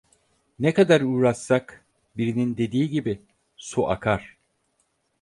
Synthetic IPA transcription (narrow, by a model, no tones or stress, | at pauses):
nekad̪aɾuːɾasːak | biɾinind̪e̞d̪iːɟibi | suʔa̰kʰaɾ̥